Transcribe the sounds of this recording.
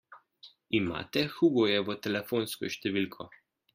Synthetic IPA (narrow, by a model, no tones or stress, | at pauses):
ima̰ːt̪ɛxuːɡɔjɛʋət̪ɛlɛfoːnskɔ̰ʃt̪ɛʋilkʰɔ